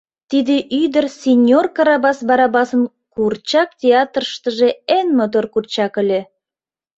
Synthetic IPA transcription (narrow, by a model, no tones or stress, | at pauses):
t̪id̪eʔyd̪ə̆rsʲenʲorkɑɾɑbɑsbɑɾɑbɑsən | kurt͡ɕɑk̚tʲeɑt̪rəʃt̪ə̆ʒeenməd̪orkurt͡ɕɑkə̆lʲe